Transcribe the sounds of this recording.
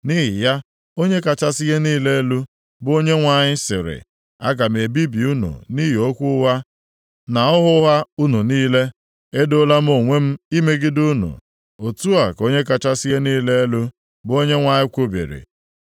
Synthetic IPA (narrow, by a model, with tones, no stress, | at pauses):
ni˦ɦɪ˨ja˦ | o˦ɲe˦ka˨t͡ʃa˦sɪ˦ɣe˦niː˦le˦e˦lu˦ | bo˦ɲe˦ŋʷa˨ɲɪ˦sɪ˨ɾɪ̰˨ | a˦ɡa˨m̩˨e˨bi˦bi˨u˦nṵ˨ni˦ɦo˦kʷʊ˦wa˦ | na˨ʊ˦ɦʊ˦ɦa˦u˦nu˨niː˦le˦ | e˦dʊ˦la˦m̩˦o˨ŋʷe˦m̩˦i˦me˦ɡɪ˦du˦nṵ˨ | o˨tu˦a˨ko˦ɲe˦ka˨t͡ʃa˦sɪ˦ɣe˦niː˦le˦e˦lu˦ | bo˦ɲe˦ŋʷa˨ɲɪ˦kʷo˦bḛ˨ɾḭ˨